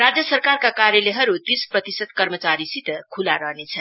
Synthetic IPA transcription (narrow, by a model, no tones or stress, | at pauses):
rad͡zjʌsʌrkarkakaɾjeleɦʌɾud̪isprʌt̪isʌd̪̚kʌrmət͡saɾisit̪kʰulaɾʌɦnet͡sʰʌn